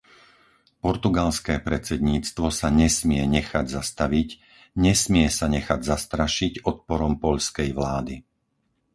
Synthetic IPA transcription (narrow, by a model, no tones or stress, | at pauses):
pɔɾt̪uɡalskɛːpɾɛt͡sɛd̪ɲiːt͡st̪ʋɔsaɲɛsmɪɛɲɛxaɟzast̪aʋic | ɲɛsmɪɛsaɲɛxaɟzast̪ɾaʃiɟɔt̪̚pɔɾɔmpɔʎskɛjʋlaːd̪i